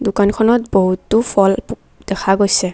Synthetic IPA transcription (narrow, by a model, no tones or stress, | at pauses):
dʊkankʰɔnɔt̚boɦutːʊpʰɔl | dɛkʰaɡojsɛ